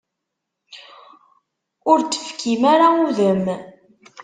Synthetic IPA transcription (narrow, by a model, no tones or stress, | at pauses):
ʊɾt͡sːə̥fkimaɾauðəm